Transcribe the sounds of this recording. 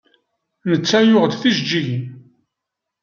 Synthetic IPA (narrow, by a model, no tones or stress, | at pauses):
nət͡sːæjʊʁd̪θiʃd͡ʒːiʝin